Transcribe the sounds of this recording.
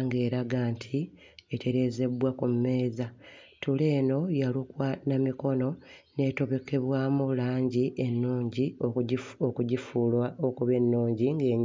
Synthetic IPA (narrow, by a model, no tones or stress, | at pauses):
ŋɡe̞ːɾaɡantʰi | etʰe̞ɾe̞ːze̞bwakumme̞ːzatule̞ːno̞jalukwanamiko̞no̞ne̞ːto̞βe̞ke̞βwaːmuβulaːɲɟiʔenːuːɲɟi | oɟifulwaokuβe̞nːuːɲɟiŋɡe̞ːɲ